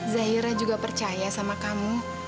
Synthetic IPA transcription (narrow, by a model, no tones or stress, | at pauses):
zaɦiɾad͡ʒuɡapərt͡ʃajasamakamu